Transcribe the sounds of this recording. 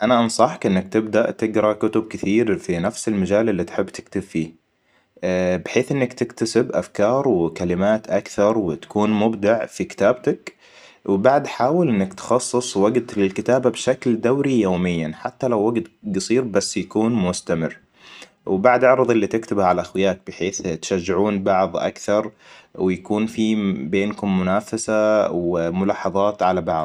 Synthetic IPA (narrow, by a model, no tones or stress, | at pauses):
ʔanaʔɑnsˤɑħkʔɪnːak̚t̪ɪbd̪aʔt̪ɪɡɾˤɑkʊt̪ʊb̚kɪθiːɾfinafsɪlmad͡ʒaːlɪlːit̪ħɪbːt̪ʰɪ̥kt̪ʊbfiː | bɪħeːθʔɪnːakt̪ɪkt̪asɪbʔa̰fkɑːɾˤwɪkalɪmaːt̪ʔakθɑɾˤwɪt̪ḁkuːnmʊbd̪aʕfikɪ̥t̪aːb̚t̪ak | wbaʕd̪ħaːwɪlʔɪnːakt̪xɑsˤːɨsˤwaɡt̪lɪlkɪt̪aːbabʃakld̪awɾijoːmɪjːanħat̪ːalawːaɡd̪ɡɨsˤiːɾbasːjakuːnmʊst̪amɪrː | wbaʕd̪ʕɑɾˤðˤɪlːit̪ɪkt̪ɪbhʕalaʔaxwɪjaːk̚bɪħeːθt̪ʃaʒːɪʕuːnbɑʕðˤʔa̰kθɑɾˤwɪjakuːnfibeːnkʊmːʊnaːfasawmʊlɑːħɑðˤɑːt̪ʕalabɑ̰ʕðˤ